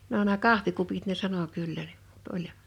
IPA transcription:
no næː kɑhʋikupit ne sɑno kylːæ n̥i̥m̥ m̥u̥t olʲ

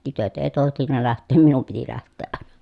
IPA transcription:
tytøt eː tohtinːɑ læhtˑeːm minum piti læhtˑeːʔ ʔɑˑen̥ɑ̥

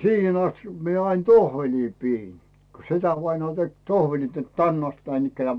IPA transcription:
siːhen ɑstikːɑ̥ mie ɑin tohʋelʲiː piːn ko setæʋɑinɑː tek tohʋelʲit net tænː ɑst næinikːænĕæˑ

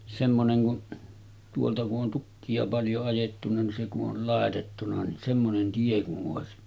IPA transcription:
semːoneŋ kun tuoltɑ kuʔ ʔon tukːiɑ pɑljo ɑjetːunɑ ni se kuʔ ʔol lɑˑetetːunɑ ni semːonen tie kuʔ ʔoˑesi

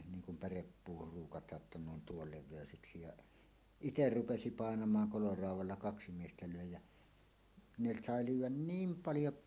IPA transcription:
niːŋ kum pærepːuːhur ruːkɑtɑːʔ ʔĕtːæ ne on tuol leʋˑeˑøseksi jɑʔ iter rupesi pɑˑenɑmɑːŋ kolorɑˑuwˑɑlːɑ kɑksi miestæ løˑe jæ ne sɑˑe lyːwˑæn niːm pɑljo

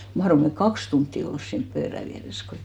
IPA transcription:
mɑhrom me kɑks tuntːi ols siːnp pøːræ ʋiæres ko

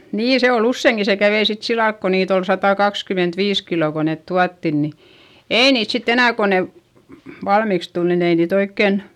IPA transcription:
niː se ol usːeˑŋki se kæʋei sit silɑlk ko niːt ol sɑtɑˑkɑkskymentʋiːs kiloˑ ko net tuɑtːin ni eˑi niːt sitː enæˑ ko ne ʋɑlmiks tul nin ei niːt oikːen

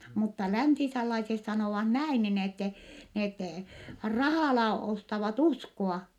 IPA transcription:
mutːɑ læntiselːɑises sɑnoˑʋɑh næin nin etːɛ net rɑhɑˑlɑ ostɑʋɑt uskoɑ

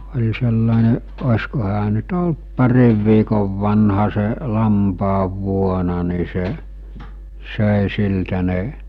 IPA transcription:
olʲ selːɑˑene osʲko hæː nyt olt pɑriʋ ʋiːkoʋ ʋɑnhɑ se lɑmpɑːʋːuonɑ ni se søˑe siltæ ne

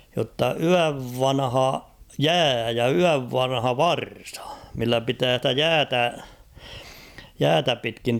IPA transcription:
jotːɑ yæʋ ʋɑnhɑ jæː jɑ yæʋ ʋɑnhɑ ʋɑrsɑ milːæ pitæː stæ jæːtæ jæːtæ pitkin

